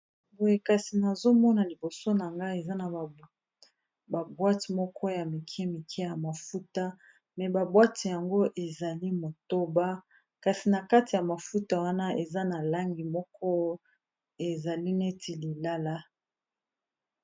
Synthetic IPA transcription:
bo˨je˨ka˨si˨na˨zo˦mɔ˦na˨li˨bo˨so˦na˨ŋɡa˦e˨za˦na˨ | ba˨bwa˦ti˨mɔ˦kʰɔ˦ja˨mi˨kʰɛ˦mi˨kʰɛ˦ja˨ma˨fu˦ta˦ | mɛ˨ba˨bwa˦ti˨ja˨ŋɡo˦ʔe˨za˨li˦mo˨to˦ba˦ | ka˨si˨na˨ka˦ti˨ja˨ma˨fu˦ta˨wa˦na˦e˨za˦na˨la˦ŋɡi˨mɔ˦kʰɔ˦ | e˨za˨li˦ne˦tʰi˨li˨la˦la˦

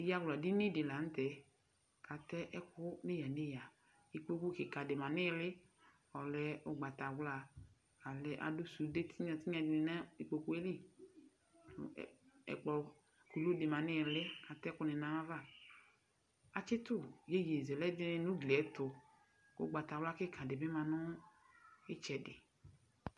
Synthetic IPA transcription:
ɪ˨ja˦˨ɡla˨dɪ˦ni˦dɪ˨la˨n̩˦tɛ˨ | ka˨tɛ˦ʔɛ˦kʊ˦nɪ˦ja˨nɪ˦ja˨ | i˨k͡po˦˧ku˦kɪ˨ka˨dɪ˨ma˨nɪ˦˧lɪ˦ | ɔ˨lɛ˨˦ʊ˦ɡ͡ba˨ta˨wla˨ | a˨lɛ˨˦ʔa̰˨dʊ˦su˨˦de˦tʰi˦ɲa˨tɪ˦ɲ˦a˨dɪ˨nɪ˨na˦i˨k͡po˨ku˦e˦li˦˨ | ɛ̰˨k͡pɔ˨ | ku˨lu˦dɪ˨mã˨nɪ˦˨lɪ˦a˨tɛ˦kʊ˦nɪ˨nã˨wa˦va˦˨ | a˨t͡ʃɪ˦t̪ʊ˦˨je˦je˨zɛ˨lɛ˦dɪ˦n˧nʊ˦ɡli˨ɛ˨˦tʊ˨ | ʊ̰˨˦ɡ͡ba˨ta˨wla˦kɪ˦kʰã˨dɪ˨bɪ˦mã˨nʊ˦ | ɪ˦t͡ʃɛ˨dɪ˨

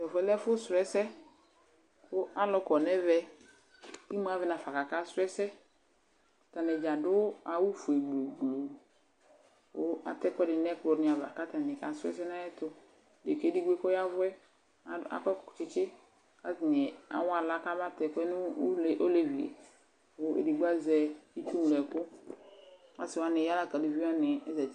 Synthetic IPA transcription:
ɔ˨fɛ˨˦lɛ˦fʊ˦sɾɛ˦sɛ˦ | kʊ˦a˦lɔ˦kɔ˨nɛ˦vɛ˦ | ki˦mu˦a˦vɛ˨˦na˨fa˨ka˨ka˦sʊ˦ɛ˦sɛ˦˨ | ta˨nɛ˨d͡ʒa˨dʊ˦a˨wu˦fu˨e˨ɡ͡blo˨ɡ͡blo˨ | ʊ˦a̰˨tɛ˦kɛ˦dɪ˨nɛ˦tɔ˨ɾnɪ˨a˨va̰˨ka˦ta˨nɪ˨ka˨sɛ̰˦sɛ˦na˦jɛ˦tʊ˦ | de˨ke˦di˦ɡ͡be˦kɔ˦ja˦vʊ˦ɛ˦˨ | a̰˨kɔ˦kt͡ʃɪ˦t͡ʃɪ˦ | ka˦tɪ˨ɲɛ˨a̰˨wa˨la˦ka˦ba˦tɛ˨kɛ˦n˦˨ʔo˦le˨vi˨ḛ˨ | wʊ˦ḛ˨di˨ɡ͡ba˦zɛ˨i˦t͡ʃu˦mu˨lɛ˨kʊ˦ | a˨sɪ˨wa˦nɪ˨ja˦la˦ka˨di˨vi˦a˦nɪ˨ɛ˦zɛ˨

